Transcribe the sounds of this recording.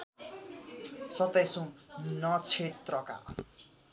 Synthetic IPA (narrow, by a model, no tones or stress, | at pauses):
sʌt̪ejsũnʌt͡sʰet̪rʌka̰